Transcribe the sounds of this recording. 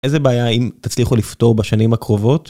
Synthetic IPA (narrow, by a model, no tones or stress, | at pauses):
ʔezebeajaimtat͡sliχulifto̞ʁbeʃanimhakʁo̞vo̞t̪